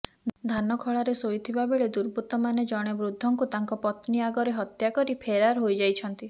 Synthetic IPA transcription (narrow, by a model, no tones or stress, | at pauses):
d̪ʱanɔkʰɔɭaɾesojt̪ʰibabeɭed̪uɾbut̪ɔmaned͡ʒɔɽ̃ebɾud̪ʱːɔŋkut̪aŋkɔpɔt̪niaɡɔɾeɦɔt̪jakɔɾipʰeɾaɾɦojd͡ʒajt͡ʃʰɔnt̪i